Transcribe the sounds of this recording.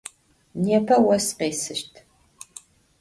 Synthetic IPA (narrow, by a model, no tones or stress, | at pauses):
neːpʰɐwɐsqeːsɨʃtʰ